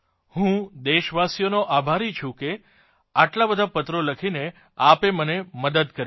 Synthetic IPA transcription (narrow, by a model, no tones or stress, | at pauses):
hũd̪eʃʋasjonoʔabʱaɾit͡ʃʰũke | aʈlabəd̪ʱapət̪ɾoləkʰine | apeməneməd̪əd̪kəɾ